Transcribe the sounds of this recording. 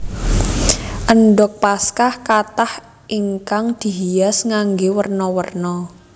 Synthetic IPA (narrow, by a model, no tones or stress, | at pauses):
ʔənɖɔk̚paskahkat̪ah | ʔiŋkaŋd̪̥i̤ɦijasŋaŋɡewərnɔwərnɔ